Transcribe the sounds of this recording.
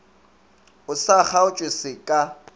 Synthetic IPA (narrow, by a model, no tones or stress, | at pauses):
ʊsaχaʊt͡ʃʼwɪsɪkʼa